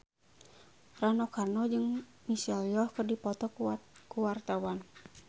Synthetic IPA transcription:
ranɔkarnɔd͡ʒɨŋ | misɛljɔhkɨrdipɔt̪ɔkuwart̪awan

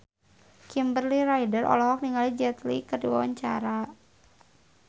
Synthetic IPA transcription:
kimbərliɾajdərʔɔ̰lɔɦɔk̚niŋalid͡ʒɛt̪likərdiwa̰waɲt͡ʃa̰ɾa

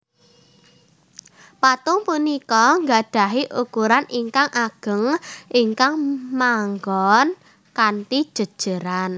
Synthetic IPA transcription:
pat̪ʊŋpunikɔŋɡaɖ̥a̤ɦiʔukuɾaniŋkaŋʔaɡ̥ə̤ŋʔiŋkaŋmaŋɡɔn | kant̪id̥ʒ̥ə̤d̥ʒ̥ə̤ɾan

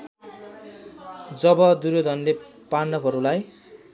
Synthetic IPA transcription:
d͡zʌbʌd̪uɾod̪ʱʌnle | panːʌpʰʌɾulaj

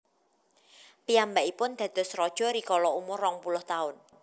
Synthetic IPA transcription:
piambaʔipʊnd̪̥ä̤d̪̥ɔ̤srɔd̥ʒ̥ɔ̤ɾikɔlɔumʊrːɔŋpulʊht̪aʊn

